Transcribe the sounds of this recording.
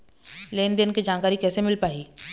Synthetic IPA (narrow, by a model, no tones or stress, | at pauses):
leːnd̪eːnkid͡ʒaːnkaːɾikɛːsemɪlpaːiː